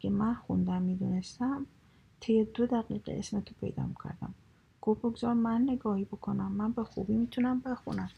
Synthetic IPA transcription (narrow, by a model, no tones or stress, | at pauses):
ɡemænxund̪æmmid̪unest̪æm | t̪ʰejed̪od̪æɣiːɢḛḛsmet̪ʰo̥pʰḛjd̪ɒ̰mikʰæ̰ɾd̪æ̰m | ɡ̥oboɡzɒɾmænːe̞ɡɒːhibokʰo̞næmːænbe̞xubiːmiːt̪ʰunæmbe̞xṵnæm